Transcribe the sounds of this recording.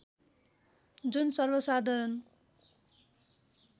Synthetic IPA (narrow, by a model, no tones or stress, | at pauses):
d͡zunsʌrbʌsad̪ʱʌɾʌn